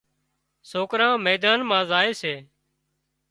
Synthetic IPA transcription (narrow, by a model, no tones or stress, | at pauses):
soːkɾãːmeːd̪aːnmãːzaːeːseː